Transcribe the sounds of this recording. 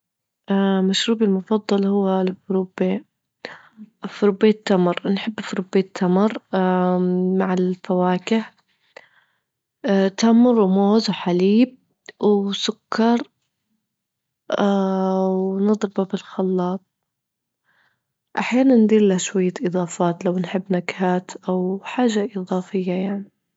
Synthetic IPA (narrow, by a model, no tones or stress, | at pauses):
ʔamaʃɾuːbɪlmʊfɑd̪ˤːɑlhʊwːalfɾube | fɾʊbeːt̪ːamɾˤnħɪbːfɾubeːt̪ʰːamɾˤ | maʕɪlfawaːkɪh | t̪amɾˤːmoːzwħaliːb̚ | wsʊkːɑɾˤ | wnɨðˤɾɪbabɪlxɑlːɑːt̪̚ | ʔaħjaːnanːd̪iːɾlaʃwajːaʔɨðˤɑːfaːt̪lawnħɪbːnakhaːt̪ʔawħaːʒaʔɪðˤɑːfɪjːajaʕni